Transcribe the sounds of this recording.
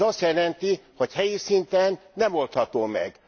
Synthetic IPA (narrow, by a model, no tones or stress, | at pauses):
ɒst̪jɛlɛnt̪ihochɛjisint̪ɛnːɛmo̞lt̪hɒt̪oːmɛ̰ɡ̥